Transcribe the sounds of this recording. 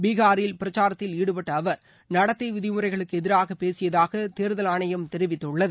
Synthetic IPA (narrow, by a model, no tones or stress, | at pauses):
biːɣaːɾɪlpɪɾɐt͡ʃːaːɾɐt̪ːɪliːɽɯpɐʈːɐːʋɐɾ | nɐɽɐt̪ːɐʋɪðɪmɯɾɐɪɣɐɭɯkːɯɛðɪɾaːɣɐpːeːsɪjɐðaːɣɐt̪eːɾðɐlaːɳɐjɐmt̪ɛɾɪʋɪt̪ːɯɭːɐðɯ